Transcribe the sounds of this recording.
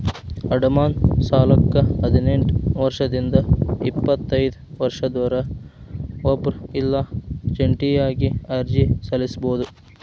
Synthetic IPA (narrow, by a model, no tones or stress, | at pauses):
ɐɖɐmaːnsaːlɐkːɐɐd̪ineɳʈʋɐɾʂɐd̪ind̪ɐipːɐt̪ːɐjd̪uʋɐɾʂɐd̪ɔːɾɐ | obɾilːɐd͡ʒeɳʈijaːɡiaɾd͡ʒisɐlisboːd̪u